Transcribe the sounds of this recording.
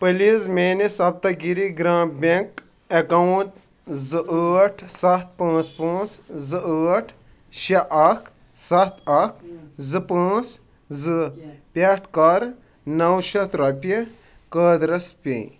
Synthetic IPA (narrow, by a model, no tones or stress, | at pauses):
pəlizmeːnesɐb̚t̪ɐɡiɾiɡɾãːbʲeŋk | ekɐwuʈ | zɨʔəːʈʰsɐt̪̚pãːt͡spãːt͡szɨəːʈʰ | ʃɐʔɐkʰ | sɐt̪ʰɐkʰzɨpãːt͡s | zɨpʲaʈʰkɐɾ | nɐwʃɐt̪ɾɐpʲi | kəːd̪ɾɐspʲḛ̃